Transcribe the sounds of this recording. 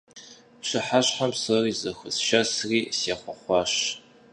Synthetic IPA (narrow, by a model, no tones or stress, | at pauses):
ɕɨħaɕħamsɨriːzɐxɨsʃɐsriːseːχʷɔχʷɑːɕ